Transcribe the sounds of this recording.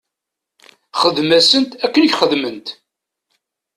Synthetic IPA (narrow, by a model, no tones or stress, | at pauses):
χəðmæsənt̪ækːənəçχəðmənt̪